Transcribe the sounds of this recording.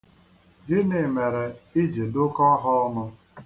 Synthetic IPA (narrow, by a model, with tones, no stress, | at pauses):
dɪ˦ne˨me˨ɾe˨i˦d͡ʒe˨dʊ˦kɔ˦ɦɔ˦nʊ˦